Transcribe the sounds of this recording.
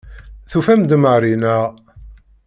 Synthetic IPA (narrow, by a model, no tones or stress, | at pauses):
θufæmd̪məɾinæʁ